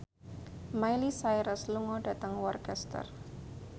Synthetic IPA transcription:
majlisajɾəsluŋɔɖ̥ä̤t̪əŋwɔrkɛst̪ə̰r

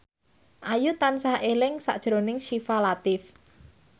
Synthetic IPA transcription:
ʔajut̪ansahelɪŋsa̰ʔd̥ʒ̥ɾonɪŋʃifalat̪ɪf

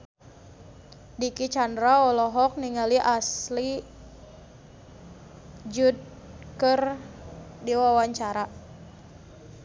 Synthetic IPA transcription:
dikit͡ʃandɾaɔlɔɦɔk̚niŋaliʔasli | d͡ʒud̚ | kər | diwawaɲt͡ʃaɾa

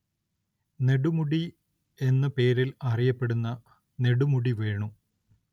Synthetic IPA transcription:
ne̞ɽumuɽi | e̞nːɐpe̞ːɾilɐrijɐpːe̞ɽunːɐ | ne̞ɽumuɽiʋeːɳu

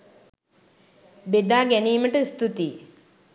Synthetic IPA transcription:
bed̪aːɡæniːməʈəist̪ut̪iː

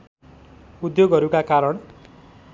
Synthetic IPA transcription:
ud̪joɡɦʌɾukakaɾʌɳ

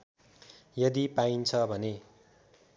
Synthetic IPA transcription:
jʌd̪ipaint͡sʰʌbʱʌne

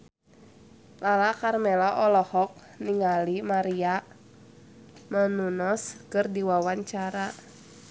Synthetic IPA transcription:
lalakarmɛlaʔɔlɔhɔk̚ | niŋalimaɾia | mɔnunɔskɨrdiwawaɲt͡ʃaɾa

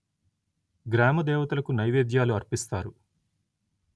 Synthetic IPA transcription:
ɡɾaːmɐd̪ɛːʋɐt̪ulɐkunɐjʋeːd̪jaːluɐɾpist̪aːɾu

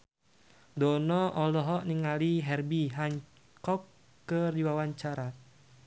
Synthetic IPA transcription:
dɔnɔʔɔlɔɦɔʔniŋaliɦɛrbiɦaŋ | kɔkː | əriwawaɲt͡ʃaɾa

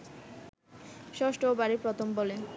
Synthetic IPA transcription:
ʃɔsʈoobaɾipɾɔt̪ʰombole

